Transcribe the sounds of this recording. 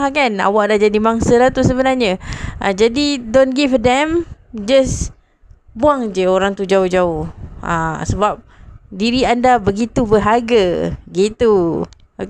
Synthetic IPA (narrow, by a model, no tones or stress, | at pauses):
kana̰waʔdahd͡ʒadimaŋsəlaht̪usəbənarɲəʔa̰d͡ʒadidonɡifdɛmd͡ʒəs | buaŋd͡ʒəoɾaŋt̪ud͡ʒaʊhd͡ʒaʊhə̰̃səbap̚diɾiandabəɡit̪ubəɦaɡaɡit̪u